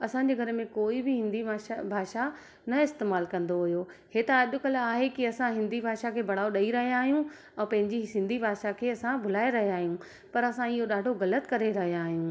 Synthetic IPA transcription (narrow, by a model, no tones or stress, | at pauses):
ɐsãːɲd͡ʑeːɡʱɐɾmẽkoːibɪɦɪ̃nd̪iaːʃabʱaːʃa | nɐɪst̪eːmaːlkɐ̃nd̪oɦʊjoheːt̪aɐʄʊkɐlaːɦekiɐsãɦɪ̃nd̪ibʱaːʃakʰeːbʱɐɽ̤aːoɗɐiɾɐɦjaːɦijũ | ɛ̃ːpɐ̃ɦɪ̃ɲd͡ʑisɪ̃nd̪ʱibʱaːʃakʰeːɐsãbʱʊl̤aːeɾɐɦeaːɦijũ | pɐɾɐsãiɦoɗaːɖʱoɣɐlət̪kɐɾeɾɐɦijãːɦijũː